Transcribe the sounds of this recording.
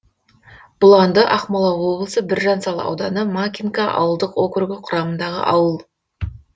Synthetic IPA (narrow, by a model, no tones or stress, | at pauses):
b̥ʊlˠɑnd̪əʔɑqmɑlˠɑwo̞blˠəsəbɪɾʒɑnsɑlˠɑ̰wd̪ɑnəmakʲiŋkɑʔɑ̰wəlˠd̪əqwokʏrɡʲɪqʰʊɾɑmənd̪ɑʁə̰ʔɑwəlˠ